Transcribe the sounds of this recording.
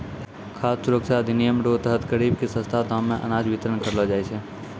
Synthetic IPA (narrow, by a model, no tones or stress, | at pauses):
kʰaːssʊɾəkʃad̪ʱɪnijəmɖoːt̪əɦət̪ʰɡəɾiːb̚kisə̃st̪ʰad̪aːmːẽʔɐ̰naːd͡ʒʋɪt̪əɾənkɐɾlad͡ʒaːiseː